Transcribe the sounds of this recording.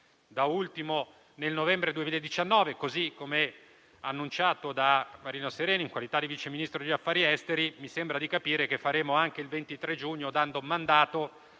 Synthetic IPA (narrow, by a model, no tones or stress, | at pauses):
d̪ault̪imo | nelnovɛmbɾed̪uemiːlaed̪ːit͡ʃanːɔːvekozikːomeɛ | anːunt͡ʃaːt̪od̪amaɾiːnoseɾeːnoiŋkwalit̪ad̪ːivit͡ʃeminist̪ɾod̪iafːaːɾiɛst̪eɾimisembɾad̪ikapiːɾek̟efːaɾeːmoaŋk̟eilvent̪it̪ɾed͡ʒuɲːod̪and̪omand̪aːt̪o